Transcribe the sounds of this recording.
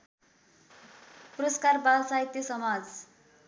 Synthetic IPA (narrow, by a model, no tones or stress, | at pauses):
puɾʌskarbalsait̪jʌsʌmad͡z